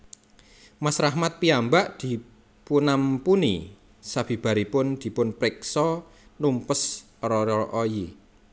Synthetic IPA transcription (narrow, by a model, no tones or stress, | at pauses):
masɾahmat̪̚piambaʔd̪̥i̤ | punampuni | sab̥i̤b̥a̤ɾipʊnd̪̥i̤pʊnpɾɪksɔ | lumpəs | ɾɔɾɔʔoji